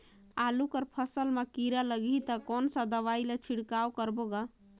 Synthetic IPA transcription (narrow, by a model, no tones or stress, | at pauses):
alukəɾpʰəsəlmekiɾaləɡit̪əkɔnsə̃d̪əʋailet͡ʃʰiɽkawkəɾboɡa